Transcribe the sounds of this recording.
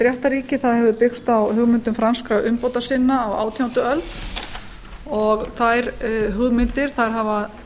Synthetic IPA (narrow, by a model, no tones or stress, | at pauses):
t̪ɾjɛht̪aɾiːcɪθaðhɛvðʏpɪxst̪awɦʏɣmɪnt̪ʏmfɾanskɾawʔʏmpoːwt̪asɪnːaːwa̰ːwt̪ʰjawt̪ʏœlt̪ | ɔɣθajɾɦʏɣmɪnt̪ɪɾ̥θajɾ̥ɦava